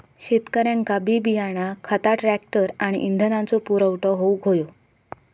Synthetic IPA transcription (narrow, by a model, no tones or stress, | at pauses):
ɕet̪kəɾjãŋkabibijaɽ̃akʰət̪aʈɾæk̚ʈəɾaɽ̃ḭʔind̪ʱənãnt͡sopuɾəwʈɔɦowɡʱojo